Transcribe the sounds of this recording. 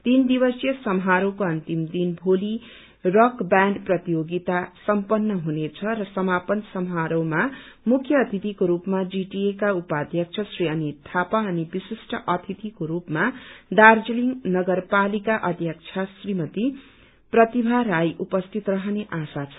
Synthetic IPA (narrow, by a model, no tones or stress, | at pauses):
t̪ind̪ibʌsjʌsʌmɦaɾʌwkoʌnt̪imd̪inbʱoli | rʌkbaɳɖprʌt̪ijoɡit̪asʌmpʌnːʌɦunet͡sʰʌɾʌsʌmapʌnsʌmɦaɾʌwma | mukʰːjʌːt̪ʰit̪ikoɾupmad͡ziʈiekaupad̪ʱjʌk̚t͡sʰʌsriʌnit̪ʰapaʌnibisisʈʌʔʌt̪ʰit̪ikoɾupmad̪ard͡ziliŋnʌɡʌrpalikaʔʌd̪ʱjʌk̚t͡sʰasrimʌt̪i | prʌt̪ibʱaɾajʔupʌst̪ʰit̪rʌɦʌneʔasat͡sʰʌ̥